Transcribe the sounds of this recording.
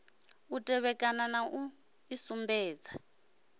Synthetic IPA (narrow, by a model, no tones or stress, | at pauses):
utʼɛβɛkʼananaʔu | isumbɛːd͡za